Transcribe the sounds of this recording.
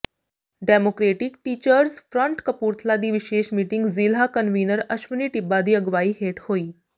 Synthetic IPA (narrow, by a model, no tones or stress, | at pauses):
ɖɛmokɾeʈikʈiːt͡ɕəɾsfɾəɳʈkəpuːɾt̪ʰlad̪iːʋiɕeɕmiːʈiŋɡzilɦakənʋinəɾəɕʋəniːʈibːad̪iːəɡʋaiːɦeʈhoiː